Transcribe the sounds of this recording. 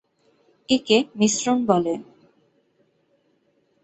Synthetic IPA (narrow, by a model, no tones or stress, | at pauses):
ekemisɾonbɔle